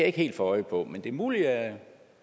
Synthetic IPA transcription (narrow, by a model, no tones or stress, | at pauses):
æɐe̝ɡ̥e̝̰ːld̥fɒ̽ɒɪpʰɒ̽mend̥e̝muːliæ